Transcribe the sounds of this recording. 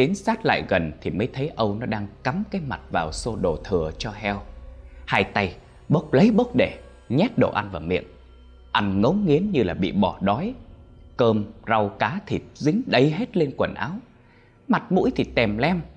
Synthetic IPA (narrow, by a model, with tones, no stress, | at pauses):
ɗi˨˦nsaː˦˥t̚la̰ː˧˨jɣə˨˩nt̪ʰi˨˩məː˨˦jt̪ʰə˨˦jʔə˧wnɔ˨˦ɗaː˧ŋka˨˦mkaː˨˦jma˨˩t̚vaː˨˩wso˧ɗo˨˩t̪ʰɨ˨˩ət͡ɕɔ˧ɦɛ˧whaː˧jt̪a˧j | ɓə˦˥wk͡p̚lə˨˦jɓə˦˥wk͡p̚ɗe˧˩ | ɲɛ˦˥t̚ɗo̰˧˩ʔa˧nvaː˨˩wmḭ˧˨əŋ | ʔa˧nŋə˨˦wŋ͡mŋi˨˦ənɲɨ˧laː˨˩ɓḭ˧˨ɓɔ˧˩ɗɔ˨˦jkəː˧mza˧wkaː˨˦t̪ʰḭ˨˩p̚zï˨˦ŋ̟ɗə˨˧jɦe˦˥t̚le˧nkwə˨˩nʔa̰ː˨˦w | ma˨˩t̚mṵ˧˥jt̪ʰi˨˩t̪ɛ˨˩mlɛ˧m